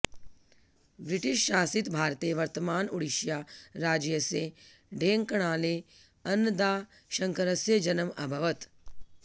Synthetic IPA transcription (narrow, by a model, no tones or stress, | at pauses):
bɾiʈiʃːaːsit̪bʱaːɾt̪eʋɐɾt̪əmaːnuɽiʃjaːɾaːd͡ʒjɐse | ɖʱeːŋkɐɽ̃aːle | ɐnːəd̪aː | ʃɐŋkəɾɐsjəd͡ʒɐnəmɐbʱɐʋət̪